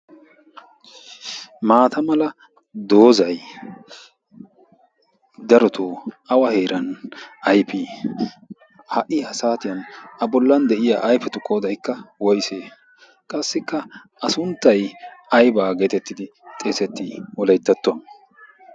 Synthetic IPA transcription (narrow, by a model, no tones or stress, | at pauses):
maːt̪ɐmɐlɐ | d̪o̞ːzɐj | d̪ɐɾɔt̪ʰoːʔɐwɐheːɾɐnʔɐjpi | hɐʔɪhɐsaːt̪ɪjɐnɐbɔlːɐnd̪ɛʔɪja̰ːʔɐjfɛt̪ʊkʼoːd̪ɐjkːɐwɔjseː | kʼɐsːɪkːɐ | ɐsʊnt̪ːɐjɐjbaːɡe̞ːt̪ɛt̪ːɪd̪ɪ | t̪ʼeːsɛt̪ːɪwɔlɐjt̪ːɐt̪ːʊɐn